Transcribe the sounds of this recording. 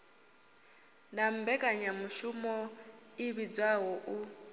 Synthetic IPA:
nam̩bɛkʼaɲamuʃumɔ | iβid͡zaɦɔʔu

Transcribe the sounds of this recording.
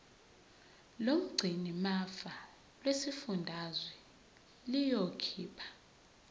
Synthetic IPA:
lom̩ɡ͡ǀʱinimafa | lwesifundʱazwɛ | lijokʰiːpʰḁ

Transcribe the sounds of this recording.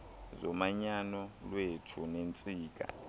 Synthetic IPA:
zɔmaɲanɔlwetʰunent͡sʼiːk̬ʼa̰

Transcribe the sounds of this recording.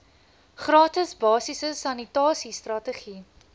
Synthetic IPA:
χrɑːtəsbɑːsisəsɐnitɑːsistrɐtəχi

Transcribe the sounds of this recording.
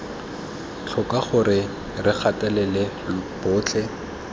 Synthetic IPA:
t͡ɬʰʊkʼaχʊrɪ | rɪk͡xʰatʼɛlɛlɪlb̥ʊːt͡ɬʰɛ

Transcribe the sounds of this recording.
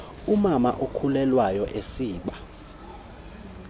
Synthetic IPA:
umama̰ʔokʰulɛlwajɔʔesiːɓa

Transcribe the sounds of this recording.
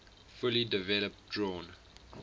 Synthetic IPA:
fʊlidɪvɛləp̚dɹɔ̃ːn

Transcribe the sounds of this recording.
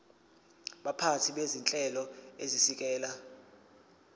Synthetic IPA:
ɓapʰatʰiɓezint͡ɬʼɛlɔezisik̬ʼɛːla

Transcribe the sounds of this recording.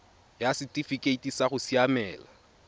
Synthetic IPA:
jasɪtʼifikʼeitʼisaɣʊsiamɛːla

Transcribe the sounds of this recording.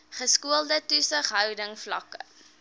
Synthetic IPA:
χəskuəlˠdətusəχɦœwdəŋflɐ̰kə̰

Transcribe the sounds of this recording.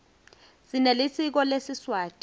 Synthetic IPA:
zinelisik̬ɔlesiswaːtʼ

